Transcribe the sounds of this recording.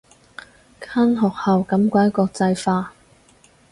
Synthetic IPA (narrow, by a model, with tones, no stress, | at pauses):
kʰaː˥nɦɔː˨k̚hɐ˨wkɐ˨˥mkʷaː˨˥jkʷɔː˧k̚t͡sɐ˧jfaː˧